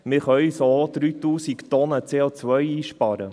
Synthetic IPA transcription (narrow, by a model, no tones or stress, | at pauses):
mɪɾχœɥsod̪̥ɾyːt̪uːsikt̪ɔnət͡seːot͡sʋœjiːʃpɑɾə